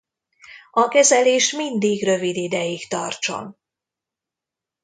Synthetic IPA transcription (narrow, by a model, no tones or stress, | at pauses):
ɒkɛzɛleːʃmind̪iɡrø̞vid̪id̪ɛjikt̪ɒrt͡ʃo̞̰n